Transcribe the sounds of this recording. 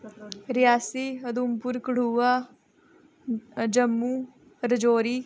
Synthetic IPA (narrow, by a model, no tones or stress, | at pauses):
ɾɪjaːsiːəd̪umpʊɾkəɽ̤uːaː | d͡ʒəmːuː | ɾəd͡ʒoːɾiː